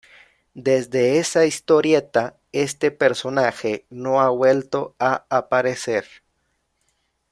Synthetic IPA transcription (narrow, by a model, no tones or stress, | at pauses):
d̪e̞zd̪eesaist̪o̞ɾje̞t̪a | e̞st̪epeɾso̞naxenoaβwe̞lt̪o̞aapaɾese̞ɾ